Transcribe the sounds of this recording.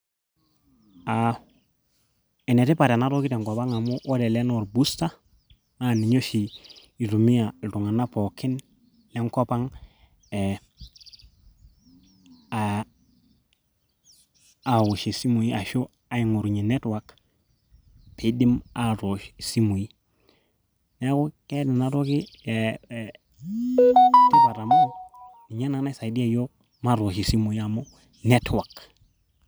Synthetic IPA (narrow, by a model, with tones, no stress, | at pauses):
a | e˨ne˨te˦pa˨ɾe˨na˦ɾo˦ki˦te˨ŋko˨pa˦ŋa˨mu˦ʔo˦de˨le˦no˨ɾbu˦sta˦ | na˦˨ni˨ɲo˦ʃi˨ | i˨tu˨mi˦a˨ltu˨ŋa˨na˦po˨ki˦n | le˦ŋko˦pa˦ŋ | e | a | a˨wu˨ʃe˨si˦mu˨ji˦a˨ʃo˦ | a˦i˨ŋu˨ɾɲe˨ne˦twa˨k | pʰe˨di˦ma˨ɾo˨ʃsi˦mu˨ji˦ | ne˦ko˦ke˦di˨na˨ɾo˦ki˦˨ | ti˦ba˨ɾa˨mo˦ | ni˨ɲa˦na˨ŋna˦sa˨i˨di˦a˦jo˦ | ma˦ɾo˨ʃi˨si˦mu˨ji˦a˨mo˦ | ne˦twa˨k